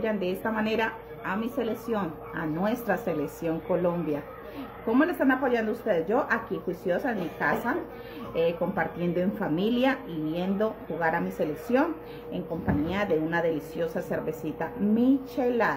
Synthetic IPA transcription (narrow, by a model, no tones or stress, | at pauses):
and̪e̞est̪amane̞ɾa | amise̞leksjo̞n | a̰nwe̞st̪ɾaseleksjo̞ŋko̞lo̞mbja | ko̞mo̞lest̪anapo̞ʝand̪oust̪eðed͡ʒo̞ʔakixwisjo̞saemikasa | eko̞mpaɾt̪je̞nd̪o̞e̞ɱfamiljaiβje̞nd̪o̞xuɣaɾamise̞leksjo̞n | e̞ŋko̞mpaɲiaðe̞unaðe̞lisjo̞sase̞ɾβe̞sit̪amit͡ʃela